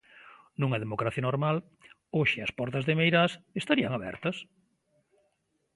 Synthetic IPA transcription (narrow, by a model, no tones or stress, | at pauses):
nũŋɐðemokɾaθjɐnoɾmal | oʃɪɐspɔɾt̪ɐzðemejɾasest̪aɾiɐŋaβɛ̰ɾt̪ɐs